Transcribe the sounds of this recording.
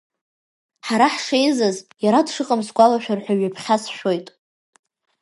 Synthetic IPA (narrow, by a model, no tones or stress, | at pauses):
ħaɾaħʂejzazjaɾadʂɨqʼəmsɡʷalaʃᶣarħʷᶣaɥapʰχʲasʃᶣo̞jtʼ